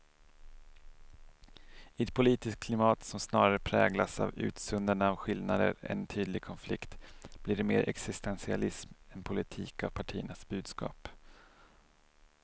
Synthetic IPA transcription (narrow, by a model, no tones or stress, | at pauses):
ɪɛt̪̚pʰʊliːt̪ɪsk̚kʰlɪmɑːt̪sɔmsnɑːɾaɾəpʰɾɛːɡlasa̰vʉ̟̰ːt̪sɵnd̪əɳaːvɧɪlnad̪ə̰ɾɛ̰nt̪ʰyːd̪lɪɡ̚kʰɔnflɪkt̪b̥liːɖɛmeːɾʔɛ̰ksɪst̪ɛnsɪalɪsmɛnpʰʊlɪt̪ʰiːkavpʰaʈʰiːənasbʉ̟ːd̪skɑ̰ːp